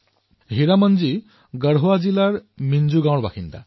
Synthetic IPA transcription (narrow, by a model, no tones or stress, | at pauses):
ɦiɾamənd͡ʒi | ɡəɽɦoad͡ʒilaɾmind͡ʒuɡãwɽbakʰint̪a̰